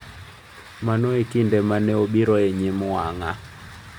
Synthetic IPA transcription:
manoekindɛmanɛobiɾɔeɲɪmʊaŋa

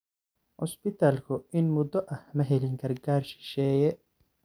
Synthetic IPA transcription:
ʔʊspɪt̪ʰaːlkʰʊɪnmʊd̪ɔʔɐhmɐɦɛlɪŋɡʰɐrɡaːrʃɪ̥ʃɛːjɛ

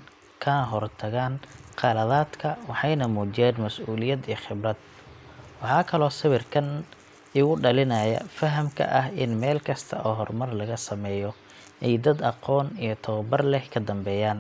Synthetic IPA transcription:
kʰɐnɦɔrt̪ʰɐɣaːnqɑlɐðaːd̪kʰɐwɑħɑjnɐmuːt͡ʃɪjɛːnmɐsʔuːlɪjɐd̪ijχɪbrɐd̪̚ | wɑħɑːkʰɐlɔːsɪβɪrkʰɐn | ɪɣʊɖɐlɪnɐːjɐ̰fɐɦɐmkʰɐ̰ʔɐhɪnmɛːlkʰɐst̪ʰɐ̰ʔɔːɦɔrmɐrlɐɣɐsɐmɛːjɔ | ʔɛjd̪ɐd̪ɑqɔːnijɞt̪ʰɐwɐbɐrlɛhkʰɐd̪ɐmbɛːjaːn

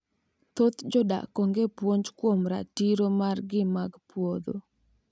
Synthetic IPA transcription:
t̪ot̪d͡ʒɔda̰koŋɡepwoɲd͡ʒkwomɾa̰tiɾomarɡɪmaɡpwod̪o̰

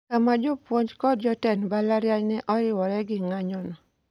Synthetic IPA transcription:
kamad͡ʒɔpwɔɲd͡ʒkɔd̚d͡ʒɔtɛnbalaɾjaɲnɛʔɔɾɪwɔɾɛɡɪŋaɲɔnɔ

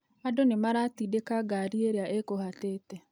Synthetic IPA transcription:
adonemaɾaːtidekaɡaɾieɾeaʔekohateːtɛ

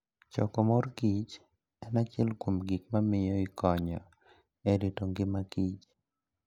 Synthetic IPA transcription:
t͡ʃɔ̰kɔmorɡit͡ʃ | ɛnat͡ʃɛlkomɡik̚mamɪjɔɪkɔɲɔ̰ | eɾitoŋɡɪmaɡ̥it͡ʃ

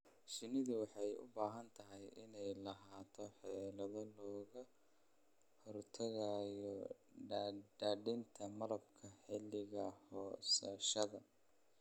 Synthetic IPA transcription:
ʃɪnɪðʊwɑħɑjʊ̰baːɦɐnt̪ʰɐɦɛjʔɪnɛjlɐɦaːt̪ʰɔħɑɛːlɐðɔlɔːɣɐ | hɔrt̪ʰɐɣaːjɔ | ɖɖaːɖɪnt̪ʰɐmɐlɐbkʰɐħɪlɪɣɐhɔːsɐʃɐðɐ

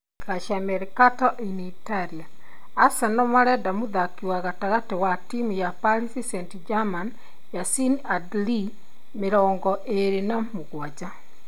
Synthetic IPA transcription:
kaʃamɛɾekatɔʔinitaɾiaː | sɛnɔmaɾɛdamuðakiwaɣataɣatewatimujapalisisɛntid͡ʒaman | jasinadli | meɾɔːŋɡɔʔeɾenamuɣwad͡ʒa

